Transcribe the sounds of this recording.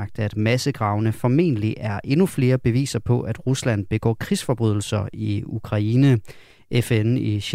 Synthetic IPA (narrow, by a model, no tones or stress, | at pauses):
ɡ̥̚d̥æd̥mæsəɡ̥ʁɑ̈ʊnəfɒ̽me̝̰nəliʔæɐʔe̝nufle̝ːɐb̥e̝ʋḭːsɐpʰɒ̽ʔæd̥ʁuslæn̰b̥e̝ɡ̥ɒ̰ːkʰʁisfɒ̽b̥ʁyðˠl̩sɐiukʰʁɑ̈inə | efeniɕ